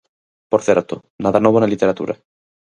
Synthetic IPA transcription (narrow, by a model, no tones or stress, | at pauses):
poɾθeɾt̪o | naðanoβonalit̪eɾat̪ṵɾʔa̰